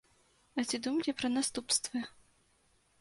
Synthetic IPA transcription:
ɐt͡sʲid̪umɐlʲɛpɾɐnast̪upst̪vɨ

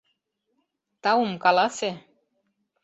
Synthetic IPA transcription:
t̪aumkɑlɑse

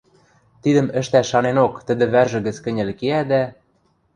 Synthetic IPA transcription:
t̪id̪ə̆mə̆ʃt̪æʃːɑnenokt̪ə̆d̪ɘ̆βærʒɘ̆ɣə̆t͡skɘ̆nʲɘ̆lkeæd̪æ

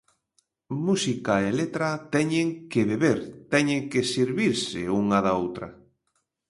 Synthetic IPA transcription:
musikaelet̪ɾat̪ɛɲeŋkɪβeβeɾt̪ɛɲeŋkɪsiɾβiɾsɪuŋaðaowt̪ɾɐ̰

